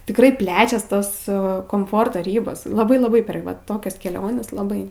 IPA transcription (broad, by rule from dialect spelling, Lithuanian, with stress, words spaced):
tʲɪkˈrɐɪ ˈpʲlʲæːt͡ʃʲɛs ˈtoːs koːmˈfoːrtoː ˈrʲiːboːs lˠɐˈbɐɪ lˠɐˈbɐɪ pʲɛr ˈʋɐ ˈtoːkʲɛs kʲɛˈlʲoːnʲɛs lˠɐˈbɐɪ